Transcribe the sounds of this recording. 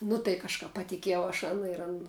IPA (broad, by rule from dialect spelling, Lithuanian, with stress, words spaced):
nʊ tɐɪ kɐʃˈkɐp pɐtʲɪˈkʲiɛjɛʊ ɐʃ ˈɑːnɐ ɪr ˈɐn